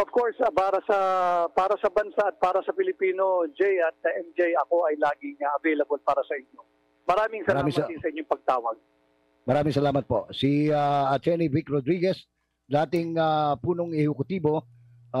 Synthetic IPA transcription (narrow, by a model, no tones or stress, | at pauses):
ʔovko̞ɹspaːɾɐsɐpaːɾɐsɐbɐnsaɐt̪̚paːɾɐsɐpɪlɪpiːno̞d͡ʒɛjɐt̪̚ɐʔɛmd͡ʒɛjɐko̞ʔɐjlaːɡɪŋɐʔɐvejlɐbolpaːɾɐsɐʔɪɲjo̞ | mɐɾaːmɪŋsɐlɾaːamɪ̃ŋisɐʔɪɲːoŋpɐɡ̚t̪aːwɐɡ̚ | mɐɾaːmɪ̃ŋsɐlaːmɐt̪̚po̞siaɐt̪ɛɹnivɪkɾod̪ɾiɡɛs | d̪aːt̪ɪŋapuːnoŋɛhʊkʊt̪iːbo̞